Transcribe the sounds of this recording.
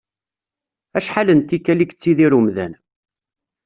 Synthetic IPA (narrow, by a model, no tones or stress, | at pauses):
æʃħalənt̪ikːælikə̥t͡sːiðiɾumðæ̰n